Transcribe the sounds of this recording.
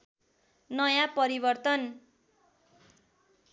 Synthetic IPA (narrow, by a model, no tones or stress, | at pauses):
nʌjapʌɾibʌrt̪ʌn